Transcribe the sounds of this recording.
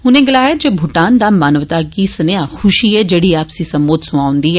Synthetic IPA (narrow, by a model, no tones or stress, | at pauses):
ʊnẽɡɐlaːjəd͡ʑobʱʊʈaːnd̪amaːnəʋt̪akiːsənejãxʊʃiɦɛːd͡ʑɐɽiaːpsĩsɐmboːt̪sʊʋaːʊ̃nd̪iɦɛː